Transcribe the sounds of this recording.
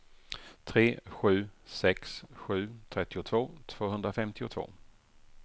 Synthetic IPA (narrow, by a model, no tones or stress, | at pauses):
t̪ʰɾeːɧʉ̟ːsɛksɧʉ̟ːt̪ʰɾɛt̪ːɪʊt̪ʰvoːt̪ʰv̥oːɦɵnd̪ɾafɛmt̪ɪʊt̪ʰvo̰ː